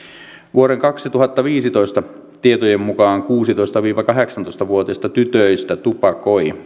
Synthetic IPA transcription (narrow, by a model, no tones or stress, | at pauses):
ʋuoɾeŋkɑksit̪uhɑt̪ːɑʋiːsit̪oist̪ɑ | t̪iet̪ojemmukɑːŋkuːsit̪oˑist̪ɑʋiːʋɑkɑɦeksɑnt̪oˑist̪ɑʋuot̪ist̪ɑt̪yt̪øist̪æt̪upɑkoi